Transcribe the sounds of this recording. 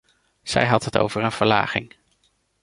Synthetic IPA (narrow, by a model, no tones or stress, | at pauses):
z̥ɛ̰jɦɑtɦəto̰wvəɹənv̥əɹla̰ːχɪŋ